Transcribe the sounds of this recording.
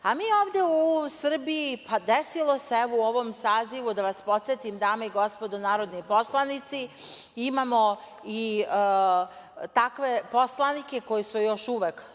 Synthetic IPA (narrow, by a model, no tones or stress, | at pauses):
amiːjeoːʋd̪e̞usr̩bijipad̪esilˠoseeuo̞ʋo̞msaːziʋud̪aʋaspo̞t̪set̪imd̪aːmaiɡo̞spod̪onaːɾod̪nojpo̞slˠanit̪siimamo̞ | i | t̪akʋe̞po̞slˠanike̞ko̞jisujo̞ʃuʋek